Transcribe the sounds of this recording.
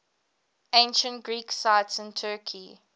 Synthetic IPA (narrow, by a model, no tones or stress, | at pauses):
ẽnʃə̃ntɡ̥ɹiːksaɪtsɪ̃ntʰɜːkʰi